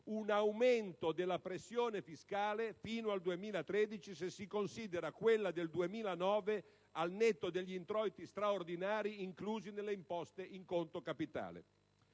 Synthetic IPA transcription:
unawment̪od̪elːapɾesːjoːnefiskaːlefiːnoald̪uemiːlat̪ɾed̪it͡ʃisesːikonsiːd̪eɾakwelːad̪eld̪uemiːlanɔːve | alnet̪ːod̪eʎːiint̪ɾɔjt̪ist̪ɾaord̪inaːɾiiŋkluːzinelːeimpɔst̪eʔiŋkont̪okapit̪a̰ːlḛ

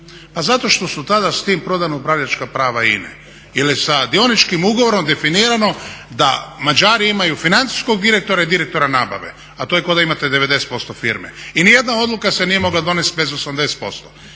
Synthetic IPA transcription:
pazat̪o̞ʃt̪o̞sut̪ad̪ast̪iːmpɾo̞d̪anoupɾaʋʎat͡ʃkapɾaːʋaḭnḛ | ilisad̪io̞nit͡ʃkimuɡoʋo̞ɾo̞md̪e̞finiːɾano̞d̪a̰mad͡ʒaːɾiimajufinant̪si̥sko̞ɡ̚d̪iɾe̞k̚t̪o̞ɾaid̪iɾek̚t̪o̞ɾanaːba̰ʋḛ | at̪o̞jeko̞d̪aimat̪ed̪e̞ʋe̞d̪e̞set̪̚po̞st̪ofiɾmḛinije̞d̪nao̞d̪lukase̞nije̞mo̞ɡlad̪o̞ne̞st̪̚be̞zosamd̪e̞st̪̚po̞st̪o

